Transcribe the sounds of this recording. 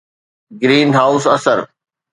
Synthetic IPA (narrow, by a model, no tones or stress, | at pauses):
ɡɾiːnɦaːʊsɐsəɾ